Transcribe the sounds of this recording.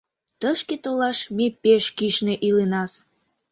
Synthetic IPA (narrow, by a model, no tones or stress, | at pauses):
t̪əʃket̪olɑʃmepeʃkiʃneʔilenɑs